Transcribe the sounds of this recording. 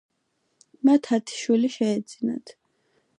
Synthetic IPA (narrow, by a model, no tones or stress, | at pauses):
mat̪ʰat̪ʰi̥ʃwiliʃɛːd̪z̥ina̰t̪ʰ